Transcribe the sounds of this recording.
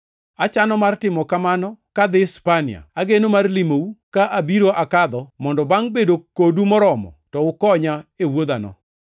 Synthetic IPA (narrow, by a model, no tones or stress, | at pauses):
at͡ʃanɔmartɪmɔkamanɔkad̪ɪspanɪ̰a̰aɡenomarlimoukaʔabiɾoʔakad̪ɔmɔndɔbaŋbedokodumɔɾɔmɔ̰tɔʊkɔɲaewod̪anɔ̰